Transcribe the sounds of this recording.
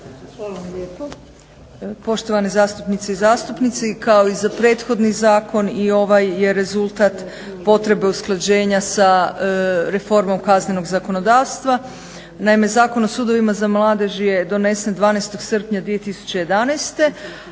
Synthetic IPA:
a | po̞ʃt̪o̞ʋanezaːst̪upnit̪seizaːst̪upnit̪sikao̞izapɾe̞ːt̪xo̞d̪nizaːko̞nio̞ʋajːe̞ɾe̞zulˠt̪at̪ | po̞t̪ɾe̞be̞usklˠad͡ʑe̞ːɲasa | ɾe̞fo̞ɾmo̞mkazne̞no̞ɡzako̞no̞d̪aːʋst̪ʋa | naime̞zaːko̞no̞suːd̪o̞ʋimazamlˠaːd̪e̞ʒje̞d̪o̞ne̞send̪ʋaːnejst̪o̞ɡ̥sr̩pɲad̪ʋije̞t̪isu̥t͡ɕe̞je̞d̪anajst̪e̞

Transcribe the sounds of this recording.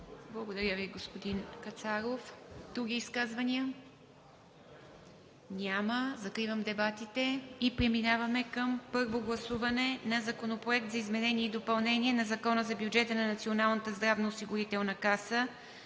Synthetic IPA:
blˠɐɡod̪ɐɾʲəviɡospod̪inkɐt̪saɾofd̪ɾuɡ̟ʲiːskazvɐniə | nʲaməzɐkɾivəmd̪ɛbat̪it̪ɛipɾɛminavɐmɛkəmpɤɾvoɡlˠɐsuvɐnɛnɐzɐkonopɾoɛk̚t̪zɐizmɛnɛnʲiɛid̪opɐlˠnɛniɛnɐzɐkɔnəzɐbjud͡ʒɛt̪ənɐnɐt̪sionalˠnət̪əzd̪ɾavnosiɡʊɾit̪ɛlˠnɐkasə

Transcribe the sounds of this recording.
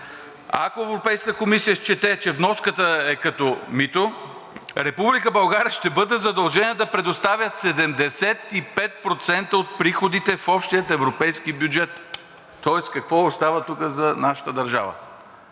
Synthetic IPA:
a̰koɛvɾopɛjskət̪əkomisijəst͡ʃɛt̪ɛt͡ʃɛvnɔskət̪əɛkɐt̪ɔmit̪o | ɾɛpublikəbɐlˠɡaɾʲiəʃt̪ɛbɤd̪ɛzɐd̪ɐlˠʒɛniɛd̪ɐpɾɛd̪ost̪avʲjəsɛd̪ɛmd̪ɛsɛt̪ipɛt̪̚pɾot̪sɛnt̪əot̪̚pɾixod̪it̪ɛfɔpʃt̪ijət̪ɛvɾopɛjskibjud͡ʒɛt̪ː | ɔɛskɐkvɔost̪avət̪ukəzɐnaʃə̥t̪əd̪ɐɾʒa̰və̰

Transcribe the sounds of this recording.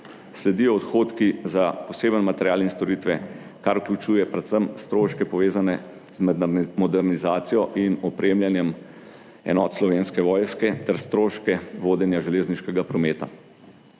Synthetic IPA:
slɛd̪iɔːt̪xoːt̪kizapɔseːbənmat̪ɛɾjaːlinst̪ɔɾit̪ʋɛ | kaɾuklʲut͡ʃuːjɛpɾɛt̪səmst̪ɾoːʃkɛpɔʋeːzanɛ | zmmɔd̪ɛɾnizaːt̪sijɔʔinɔpɾʔemljanjɛm | ɛ̰nɔːt̪slɔʋenskɛʋɔːjskɛt̪ɛɾst̪ɾoːʃkɛʋoːd̪ɛnjaʒɛleːzniʃkɛɡapɾɔmeːt̪a̰

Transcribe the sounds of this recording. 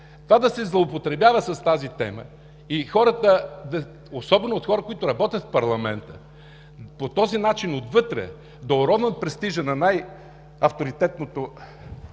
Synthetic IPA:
t̪ovad̪ɐsɛzlˠoopot̪ɾɛbjavəsɐst̪azit̪ɛ̰mə̰ | ixɔɾət̪əd̪ɐ | osɔbɛnoːt̪xɔɾəkoit̪ʊɾɐbɔt̪ʲɐt̪fpɐɾlˠɐmɛnt̪ə̰ | pot̪ɔzinat͡ʃinot̪vɤt̪ɾɛ̰ | d̪oʊɾɔvnət̪̚pɾɛst̪iʒənɐnaj | ɐft̪oɾit̪ɛt̪̚not̪o

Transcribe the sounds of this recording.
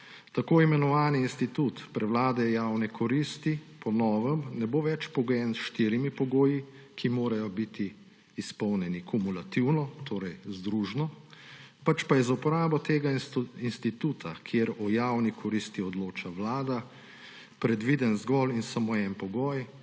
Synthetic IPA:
t̪akoːimɛnɔʋaːniːnst̪it̪ut̪pɾɛwlaːd̪ɛjawnɛkʰɔɾist̪ipɔnɔːʋəmnɛboʋɛt͡ʃpɔɡɔjɛnsʃt̪iɾimipɔɡoːji | kʰimoːɾajɔbit̪ʰiː | spɔwnʲjɛnikumulat̪iwnɔt̪ʰoːɾɛjzd̪ɾuʒnɔ | pat͡ʃpajɛzupɔɾaːbɔt̪eːɡainst̪it̪uːt̪ʰakʰjeɾɔjawnikʰɔɾist̪iɔd̪loːt͡ʃaʋlaːd̪a | pɾɛd̪ʋiːd̪ənzɡɔlinsamoɛnpɔɡɔːj

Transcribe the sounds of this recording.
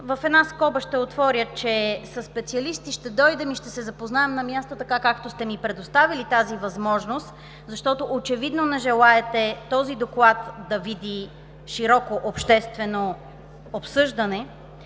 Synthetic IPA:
vəfɛd̪naskɔbəʃt̪ɛot̪vɔɾʲət͡ʃɛsɐsːpɛt̪siɐlist̪iʃt̪ɛd̪ɔjd̪ɛmiʃt̪ɛsɛzɐpoznaɛmnɐmʲjast̪ot̪ɐkakakt̪ost̪ɛmipɾɛd̪ost̪avilit̪azivɐzmɔʒnost̪ | zɐʃt̪ɔt̪oʔot͡ʃɛvid̪nonɛʒɛlˠaɛt̪ɛt̪ɔzid̪oklˠat̪d̪ɐvid̪i | ʃiɾɔkoʔopʃt̪ɛst̪vɛno | opsɤʒd̪ənɛ

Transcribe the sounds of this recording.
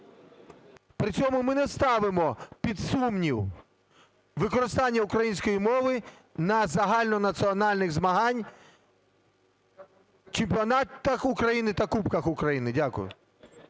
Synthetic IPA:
pɾɪt͡sʲɔmʊmɪnɛst̪ɑʋɪmɔpʲid̪sumnʲiw | ʋɪkɔɾɪst̪ɑnʲːɐʊkɾɐjinʲsʲkɔjimɔʋɪ | nɐzɐɦɑlʲnɔnɐt͡sʲiɔnɑlʲnɪɣzmɐɦɑnʲ | t͡ʃɪmʲpʲiɔnɑt̪ɐxʊkɾɐjinɪt̪ɐkupkɐxʊkɾɐjinɪdʲakʊ̰jʊ̰

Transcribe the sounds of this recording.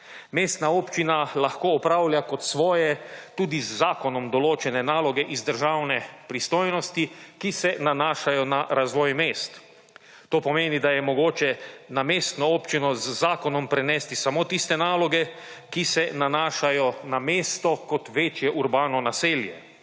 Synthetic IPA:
meːst̪naoːpt͡ʃinalaxkoːɔpɾaːwlʲjakɔt̪sʋɔːjɛt̪uːd̪izːaːkɔnɔmd̪ɔloːt͡ʃɛnɛnaːlɔɡɛʔizd̪əɾʒawnɛpɾist̪oːjnɔst̪ikisɛnanaːʃajɔnaɾazʋɔːjmeːst̪ː | t̪oːpɔmeːnid̪ajɛmɔɡoːt͡ʃɛnameːst̪nɔoːpt͡ʃinɔzːaːkɔnɔmpɾɛnɛːst̪isamoːt̪ist̪ɛnaːlɔɡɛkisɛnanaːʃajɔnameːst̪ɔkɔt̪ʋeːt͡ʃjɛʔuɾbaːnɔnaseːljɛ

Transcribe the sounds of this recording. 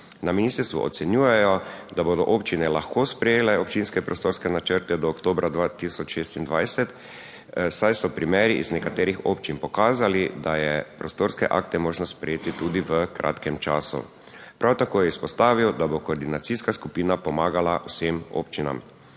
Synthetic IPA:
naminiːst̪əɾst̪ʋṵʔɔ̰t̪sɛnjuːjɛjɔd̪aboːd̪ɔʔoːpt͡ʃinɛlaxkospɾɛjeːlɛɔpt͡ʃinskɛpɾʔɔst̪oːɾskɛnat͡ʃəɾt̪ɛd̪ɔːkt̪oːbɾʔad̪ʋat̪isɔt͡ʃʃeːst̪ind̪ʋajsɛt̪ | sajsɔpɾimɛːɾiʔiznɛkat̪eːɾixoːpt͡ʃinpɔkaːzalid̪ajɛpɾost̪oːɾskɛ̰ʔa̰ːkt̪ɛmoːʒnɔspɾɛjeːt̪it̪uːd̪iʋəkɾʔa̰ːt̪kɛmt͡ʃa̰ːsṵ | pɾʔawt̪akoːjɛispɔst̪aːʋiwd̪abokoːɾd̪inat̪siskaskupiːnapɔmaːɡalaʔʊsemo̰pt͡ʃina̰m

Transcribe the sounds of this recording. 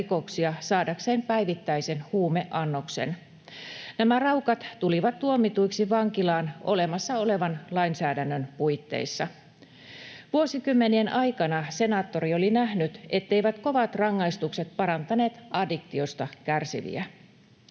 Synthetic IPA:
ko̞ksiɑsɑːdɑkseːmpæjʋit̪ːæjse̞nhuːme̞ʔɑnːokse̞̰n | næmærɑwkɑt̪tuliʋɑt̪t̪uomːit̪uiksiʋɑŋkilɑːno̞̰lemɑsːɑo̞le̞ʋɑnlɑinsæːdænːønpuit̪ːḛisːɑ | ʋuo̞sikymːenienʔɑjkɑnɑse̞nɑːt̪ːo̞ɾiolinæɦnyt̪e̞t̪ːeiʋæt̪ko̞ʋɑt̪rɑŋːɑist̪ukse̞t̪̚pɑɾɑnt̪ɑne̞ːt̪ɑdikt̪io̞st̪ɑkærsḭʋḭæ

